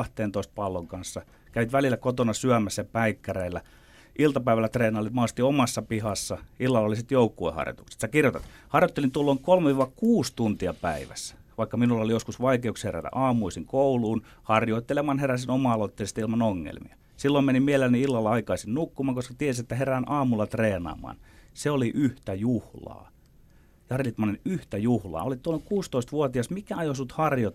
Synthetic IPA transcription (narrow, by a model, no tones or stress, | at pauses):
ɑht̪eːnt̪oˑist̪̚pɑlːoŋkɑnsːɑ | kæʋit̪ʋælilːˑækot̪onɑsyæmæsːæjɑpæikːæreːlːæ | ʔilt̪ɑpæiʋælːˑæt̪reːnɑlːit̪mɑːst̪iomɑsːɑpihɑsːɑilːɑlːolːisit̪joukːuḛhɑ̰rjo̰t̪u̥kse̥t̪sækirjot̪ḛt̪hɑrjot̪ːelint̪uolːoːŋkolmeʋiːʋɑkuːst̪unt̪iɑpæiʋæ̰sːæ̥ʋɑikːɑminulːɑolijoskusʋɑikeuksheræ̰t̪æ̰ʔɑːmuisiŋkouluːn | hɑrjoit̪ːelemɑnheræsinomɑɑlot̪ːeˑisest̪ilmɑnoŋːḛlmḭɑ | silːoimenimielelniilːɑlːɑɑikɑisennukːumɑːŋkoskɑt̪iesiet̪ːæheræːnʔɑːmulːɑt̪reːnɑ̰ːmˑɑ̰ːnseoliʔyht̪æjuhlɑ̰ː | jɑhɑrjlit̪ːmɑnenyht̪æjuhlɑ̰ːolitt̪uolːoŋkuːst̪oist̪ʋuot̪iɑsmikæɑjosnut̪hɑrjot̪